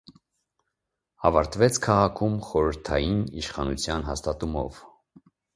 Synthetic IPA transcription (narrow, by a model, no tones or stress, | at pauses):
ɑvɑɾt̪vɛt͡sʰkʰɑʁɑkʰumχɔɾəɾt̪ʰɑjiniʃχɑnut͡sʰjɑnɦɑst̪ɑt̪umɔ̰v